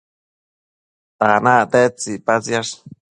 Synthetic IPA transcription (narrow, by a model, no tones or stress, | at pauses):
t̪anãt̪et͡sipat͡sjaʂ